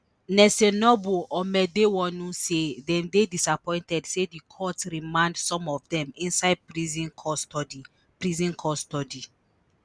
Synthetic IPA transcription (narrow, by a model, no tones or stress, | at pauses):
nɛsɛnɔboʔɔmɛdewɔ̃nũsedɛ̃mdedisapɔ̃ɪ̃ntɛdsedikʰɔtɾimãndsɔ̃mɔvdɛ̃mĩnsaɪd̚pɾizĩkʰɔstɔdi | pɹizĩnkʰɔstɔdi